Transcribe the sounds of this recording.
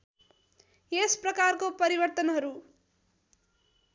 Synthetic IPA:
jesprʌkarkopʌɾibʌrt̪ʌnɦʌɾu

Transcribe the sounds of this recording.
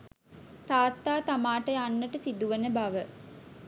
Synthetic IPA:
t̪aːt̪ːaːt̪amaːʈəjanːəʈəsid̪uʋenəbaʋə

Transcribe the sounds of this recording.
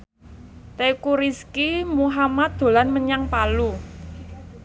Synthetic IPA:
t̪ekuɾiskimuɦamat̪̚d̪̥o̤lanməɲaŋpalu

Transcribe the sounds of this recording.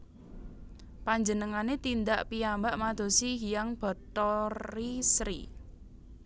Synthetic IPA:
paɲd͡ʒənəŋanet̪ind̪aʔpiambaʔmad̪̥o̤siɦijaŋb̥ɔ̤t̪ɔisɾḭ

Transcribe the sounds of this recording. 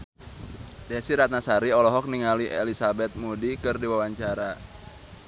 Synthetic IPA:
dɛnsiɾat̪̚nasaɾiɔlɔɦɔk̚niŋaliʔelisabɛt̪̚mudikɨrdiwawaɲt͡ʃaɾa

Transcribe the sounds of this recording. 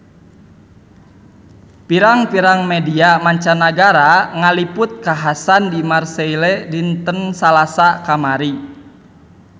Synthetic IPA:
piɾaŋpiɾaŋmediamaɲt͡ʃanaɡaɾaŋalipʊt̪̚kaɦasandimarseilɛdint̪ənsalasakamaɾi

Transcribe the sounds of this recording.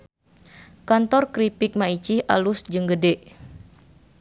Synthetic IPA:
kant̪ɔrkɾipɪk̚mait͡ʃihʔalusd͡ʒɨŋɡədeʔ

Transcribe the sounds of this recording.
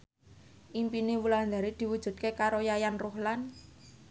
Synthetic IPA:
ʔimpinewuland̪a̤ɾed̪̥i̤wud̥ʒ̥ṳd̪̥̚kekaɾojajanruhlan

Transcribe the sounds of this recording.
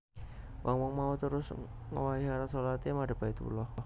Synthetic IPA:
wʔaŋmɔŋmaut̪əɾʊs | ŋə̰waiɦaɾasolat̪imadə̤bait̪pṵlɔh

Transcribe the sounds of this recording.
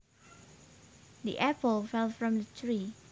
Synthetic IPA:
dḭʔɛpəlˠfɛlˠfɹɔ̃mdətʰɹi

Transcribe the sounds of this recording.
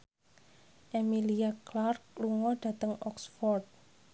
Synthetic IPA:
ʔemiliaklark̚luŋɔɖ̥ä̤t̪əŋɔksfɔrd̪̚

